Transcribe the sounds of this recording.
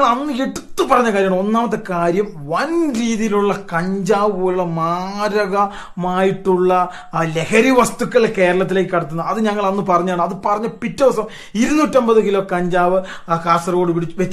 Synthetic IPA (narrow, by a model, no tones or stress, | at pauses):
ŋːɐɭɐnːɨeʈːut̪ːɨpɐrɐɲːɐkaːɾjɐaɳo̞nːaːmɐt̪̬ːe̞kaːɾjɐm | ʋɐnɾiːðijiluɭːɐkɐɲd͡ʑaːʋɨpoːluɭːɐmaːɾɐɣɐ | maːjiʈːuɭːɐ | le̞kɐɾiʋɐst̪ukːɐɭke̞ːɾɐɭɐt̪̬ːileːjkːɨkːɐɽɐt̪ːunːɐðɨɲɐŋːɐɭɐnːɨpɐrɐɲːujaːɳɨɐðɨpɐrɐɲːɐpitːɐʋɐsɐm | iɾunːuːtːombɐðeŋɡiloːkɐɲd͡ʑaːʋɨkaːsɐroːɽɨpiɽit͡ɕːʋet͡ɕː